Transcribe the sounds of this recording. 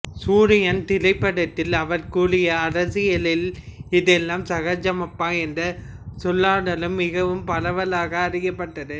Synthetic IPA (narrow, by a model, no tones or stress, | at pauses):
suːɾɪjɐnt̪ɪlɐɪpːɐɽɐt̪ːɪlɐʋɐɾkuːɽɪjɐːɾɐsɪjɐlɪlɪðɛlːaːmsɐɣɐd͡ʒɐmɐpːaːɛndrɐ | sɔlːaːɽɐlɯmːɪɣɐʋɯmpɐlɐʋɐlaːɣɐːɾɪjɐpːɐʈːɐðɯ